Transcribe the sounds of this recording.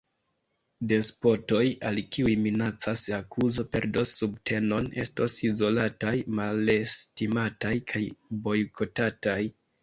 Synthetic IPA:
de̞spo̞to̞jalkiujminat͡sasakʰuzo̞pe̞̰ɾdo̞sːubtʰe̞no̞ne̞̰stosizo̞latajmale̞stimatajkʰajbo̞jkʰo̞tataj

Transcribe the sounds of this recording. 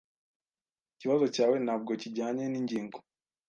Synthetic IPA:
iciβazo̞caːwe̞naːb̚ɡo̞ciɟaːɲe̞niɲɟiːŋɡo

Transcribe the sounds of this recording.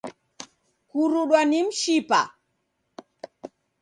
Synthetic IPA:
kuɾuɗwanim̩ʃipa̰

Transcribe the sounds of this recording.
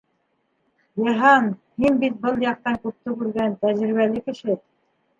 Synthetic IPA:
jɑɦɑnhinbit̪̚bɤlˠjɑq̚t̪ɑŋkʉp̚t̪ɘkʉɾɡænt̪æʒɾĭβælɘkɘ̆ʃɘ

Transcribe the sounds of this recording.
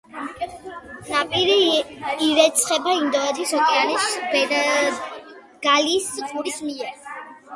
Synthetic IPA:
napʼiɾiː | ɾɛt̪sʰχɛbaind̪ɔɛt̪ʰisɔkʼɛanisbɛ | ɡ̥aliːsqʼuɾismiɛɾ

